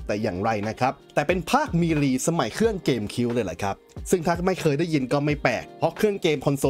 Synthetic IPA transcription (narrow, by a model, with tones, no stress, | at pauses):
t̪ɛː˨˩jaː˨˩ŋɾa˧jna˦˥kʰa˦˥p̚t̪ɛː˨˩pe˧npʰaː˥˩k̚miː˧ɾiː˧sa˧ma˨˩˦jkʰɾɯ˥˩əŋkeː˧mkʰi˦˥wlɤː˧jla˨˩kʰa˦˥p̚sɯ˥˩ŋt̪ʰaː˧t̪ʰmːla˧jkʰɤː˧jdaː˥˩jːi˧nkɔː˥˩ma˥˩jpɛ̰ː˨˩k̚pʰɾɔ˦˥kʰɾɯ˥˩əŋkeː˧mkʰɔ˧nso˧˦